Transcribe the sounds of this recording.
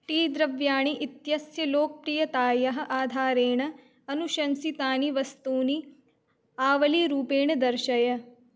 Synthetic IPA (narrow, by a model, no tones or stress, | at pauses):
ʈiːd̪ɾɐʋjaːɳiʔit̪jɐsjɐloːk̚pɾiːjɐt̪aːjɐɦɐ̆ʔaːd̪ʱaːɾeːɳɐ | ɐnuʃɐnsit̪aːniʋɐst̪uːni | aːʋɐliɾuːpeːɳɐd̪ɐɾʃɐjɐ